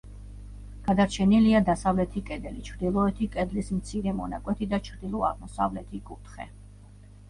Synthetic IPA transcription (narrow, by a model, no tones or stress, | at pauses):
ɡ̥ad̪aɾt͡ʃʰɛniliad̪asavlɛt̪ʰikʼɛd̪ɛlit͡ʃʰɾd̪ilˠɔɛt̪ʰikʼɛd̪lismt̪sʰiɾɛmɔna̰kʼwɛt̪ʰid̪at͡ʃʰɾd̪ilˠɔa̰ʁmɔsa̰vlɛt̪ʰikʼut̪ʰχɛ̰